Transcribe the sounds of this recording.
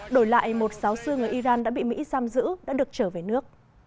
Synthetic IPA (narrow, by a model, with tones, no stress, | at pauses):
ɗo˧˩jla̰ː˧˨jmo˨˩t̚sa˨˦wsɨ˧əŋɨ˨˩əjʔi˧zaː˧nɗa̰ː˧˥ɓḭ˧˨mḭ˧˥zaː˧mzɨ̰˧˥ɗa̰ː˧˥ɗɨ˨˩ək̚t͡ɕəː˧˩ve˨˩nɨ˦˥ək̚